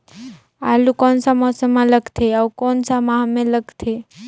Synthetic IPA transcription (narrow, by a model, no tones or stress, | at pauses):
alukɔnsamɔsəmãləɡt̪ʰeaukɔnsamaɦmẽləɡt̪ʰe